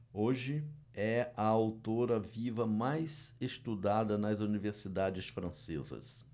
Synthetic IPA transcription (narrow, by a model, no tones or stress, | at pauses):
oʒɪ | ɛɐawt̪oɾɐvivɐmajzest̪ud̪ad̪ɐnɐzuniveɾsid̪ad͡ʒɪsfɾɐ̃sḛzɐ̰s